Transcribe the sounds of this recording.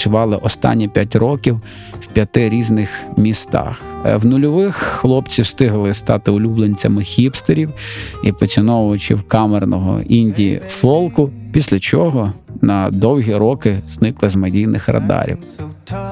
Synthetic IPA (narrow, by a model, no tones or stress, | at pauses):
t͡ʃʲʊʋɑlˠɪʔɔst̪ɑ̰nʲːipʲjatʲrɔkʲiw | wpʲjɐt̪ɪɾʲiznɪxmʲist̪ɑ̰xwnʊlʲɔʋɪxːlˠɔpt͡sʲiwst̪ɪɦlˠɪst̪ɑt̪ɪʊlʲublˠenʲt͡sʲɐmɪxʲipst̪eɾʲiwipɔt͡sʲɪnɔʋʊt͡ʃɪ̰wkɑmernɔɦɔ̰inʲdʲḭfɔlˠkʊpʲisʲlʲɐt͡ʃɔɦɔnɐd̪ɔwɦʲiɾɔkɪznɪklˠɪzmɐdʲijnɪxrɐ̰d̪ɑ̰ɾʲḭw